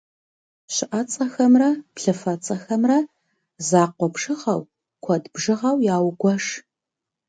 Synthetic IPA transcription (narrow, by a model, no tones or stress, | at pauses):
ɕɪʔɐt͡sʼɐxɐmrɐpɬɨfɐt͡sʼɐxɐmrɐ | zaːqʷɔpʂɨʁɐw | kʷʰɔdbʒɨʁɐwjaːwɡʷɔʂ